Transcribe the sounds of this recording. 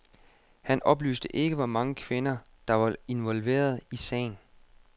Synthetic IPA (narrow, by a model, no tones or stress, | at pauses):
hænʔɒ̽b̥ly̰ːsd̥əʔe̝ɡ̥əʋɒmɑ̈ŋəkʰʋe̝nɐ | d̥ɑ̈ʋɑ̈e̝nʋɒ̽lʋe̝̰ːɐð̞ˠisɛ̰ːɪn